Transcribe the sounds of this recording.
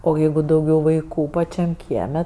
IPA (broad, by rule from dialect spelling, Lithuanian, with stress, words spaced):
oː ˈjɛɪɡʊ dɐʊˈɡʲɛʊ ʋɐɪˈkuː pɐˈt͡ʃʲɛm ˈkʲiɛmʲɛ